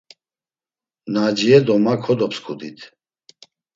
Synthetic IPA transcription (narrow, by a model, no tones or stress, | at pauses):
nad͡ʒiɛd̪ɔmakʰɔd̪ɔpskʰud̪it̪ʰ